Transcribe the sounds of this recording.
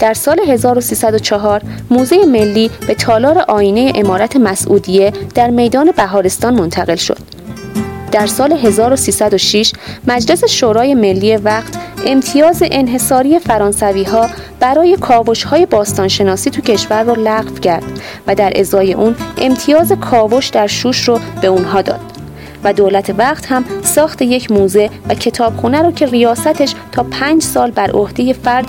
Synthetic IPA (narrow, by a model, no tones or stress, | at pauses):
d̪̥æɾsɒːle̞ɦe̞zɒːɾo̞siːsæd̪o̞t͡ʃʰɒɦɒːɾmuːze̞jeme̞lːiːb̥e̞t̪ʰɒːlɒːɾe̞ʔɒːjiːne̞jeʔemɒːɾæt̪ʰe̞mæsʔuːd̪ije̞d̪̥æɾme̞jd̪ɒːne̞bæɦɒːɾe̞st̪ɒːnmo̞nt̪ʰæɣe̞lʃo̰d̪̥ | d̪̥æɾsɒːle̞ɦe̞zɒːɾo̞siːsæd̪oʃiʃmæd͡ʒle̞seʃoːɾɒːje̞me̞lːiːjevæχt̪ʰe̞mt̪ʰijɒːze̞ʔenɦe̞sɒːɾijefæɾɒːnsæviːɦɒː | b̥æɾɒːje̞kʰɒːvo̞ʃhɒːje̞bɒːst̪ɒːnʃe̞nɒːsiːt̪ʰucʰe̞ʃvæɾːolæɣfcʰæɾd̪̥ | væd̪æɾʔe̞̰zɒːje̞̰ʔuːnʔe̞̰mt̪ʰijɒːze̞kʰɒːvo̞ʃd̪æɾʃuːʃrob̥e̞unɦɒːd̪ɒ̰ːd̪̥ | væd̪oːlæt̪ʰe̞væqt̪hæmsɒːxt̪ʰe̞je̞cʰmuːze̞væcʰe̞t̪ʰɒːb̥xunæɾɔːcʰe̞rijɒːsæt̪ʰeʃt̪ʰɒːpʰæːnd͡ʒsɒːlbæɾʔo̰hd̪e̞je̞fæɾd̪